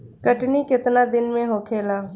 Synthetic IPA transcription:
kəʈnikɪt̪nad̪ɪnmẽɦoːkʰeːlaː

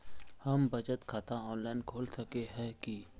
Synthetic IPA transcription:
hɐmbɐd͡ʒət̪kʰat̪ãɔːnlaːɪnkʰoːlsɐkeɦɛ̃ki

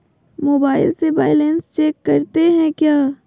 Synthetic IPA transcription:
moːbaːɪ̰lsebaːɪlenst͡ʃeːkːɐɾt̪eɦɛ̃kjaː

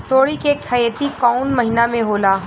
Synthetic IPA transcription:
t̪oːɽikekʰɐjt̪ikɔːnmɐɦinamẽɦoːlaː

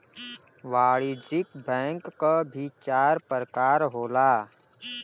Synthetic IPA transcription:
ʋaːɽid͡ʒɪkbɛ̃ːŋkːabʱit͡ʃaːɾpəɾəkaːɾɦoːlaː

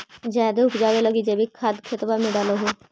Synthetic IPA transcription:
d͡ʒaːd̪eʊkʰd͡ʒaːʋeləɡid͡ʒebikʰad̪kʰɪt̪bamẽɖaːloɦoː

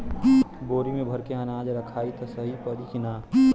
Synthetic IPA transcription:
boːɾimẽbʱɐɾkeɦɐnaːd͡ʒɾɐkʰaːit̪ɐsɐɦipəɾikinaː

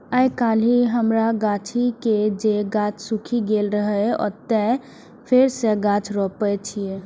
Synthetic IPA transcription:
əjkaliɦəmɾaɡat͡ʃʰiked͡ʒeɡat͡ʃʰsukʰiɡelɾəɦəɔ̰ːɾt̪ɛ | pʰeɾseɡãt͡ʃʰɾɔpət͡ʃʰie

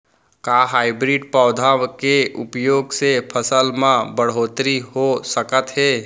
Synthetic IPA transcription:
kaːɦaːɪbɾiːɖpɔːd̪ʱakeʊpjoːɡsepʰəsəlmãbəɽ̤ɦoːt̪ɾiɦosəkət̪ɦɛː

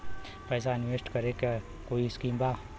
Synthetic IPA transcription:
pəjs̬aɪnʋesʈkəɾek | koːiskimba

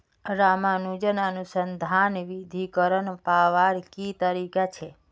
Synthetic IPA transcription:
ɾamanud͡ʒənanũsənd̪ʱanʋid̪ʱikəɾənpaʋaɾkit̪əɾikat͡ʃʰe

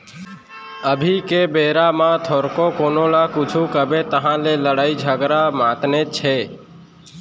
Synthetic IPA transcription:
əbʱikebeːɾamãt̪ʰoːɾkokoːnolakut͡ʃʰukəbet̪əɦãleləɽaːid͡ʒʱəɡɾamãt̪net͡ʃʰɛ

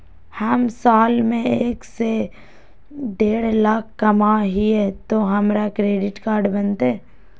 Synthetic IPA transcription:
hɐmsaːlmẽeːkse | ɖeːɽlaːkʰkɐmaɦiɛt̪oɦɐmɾakɾeːɖɪʈkaːɾɖbənt̪e

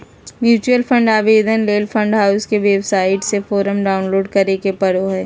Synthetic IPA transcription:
mjuːt͡ʃuəlfʰə̃ɳɖaːʋeːd̪ʱənleːlpʰə̃ɳɖɦaːʊskeʋeːbsaːɪʈsefoːɾəmɖaːʊnloːɖkɐɾekepɐɽoɦɛː

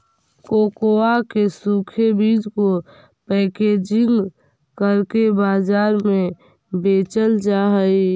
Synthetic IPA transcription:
koːkoakesukʰebiːd͡ʒko | pɛːked͡ʒɪŋɡ | kəɾkebaːd͡ʒaːɾmẽ | beːt͡ʃəld͡ʒaɦəi

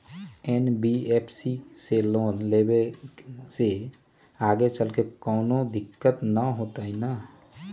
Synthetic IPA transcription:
ɛːnbieːpʰsiseloːnleːbe | se | aːɡet͡ʃəlkekɔːnod̪ɪkːət̪nəɦoːt̪aɦinaː

